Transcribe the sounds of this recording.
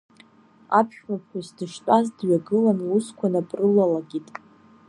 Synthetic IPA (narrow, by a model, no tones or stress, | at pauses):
apʰʃᶣmapħʷᶣasdɨʂtʷʼazdɥaɡɨlanluskʷʰanapʼrɨlalaɡʲitʼ